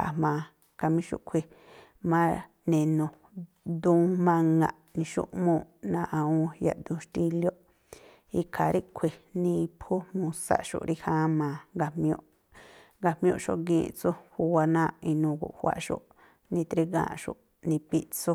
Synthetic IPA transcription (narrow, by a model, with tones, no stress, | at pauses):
a̰˨mãː˧ | ka˧mĩ˦ʃṵ˧ʔkʷʰi˧ | mã˦ | nẽ˧nõ˧ | d̪ũː˦mã˧ŋɡã˧ʔnĩ˧ʃṵ˦ʔmõː˧˨nã˧ʔã˧ũ˧ja̰˧˨d̪ũ˧ʃt̪i˦˧ljo˦ʔ | i˧kʰa˨ɾi˦kʷʰi˧nĩ˧pʰu˦mũ˧sa̰˨ʔʃo̰˨ʔɾi˦hã˦mãː˨˧ŋɡa˧mj̃õ̰˧ʔ | ŋɡa˧mjõ̰˧ʔʃo˦ʔɡĩː˧˨t͡su˦hu˧wa˧nãː˦˨ʔi˧nũ˧ɡṵ˨ʔhʷwa̰˧ʔʃo̰˦ʔ | nĩ˧t̪ɾi˧ɡã̰ː˧˨ʃo̰˧˨ʔ | nĩ˧pi˧ʔt͡su˦